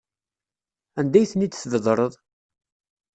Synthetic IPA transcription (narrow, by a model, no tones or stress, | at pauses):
ænd̪æjθnit͡s̪ːθðəðˤɾˤəðˤ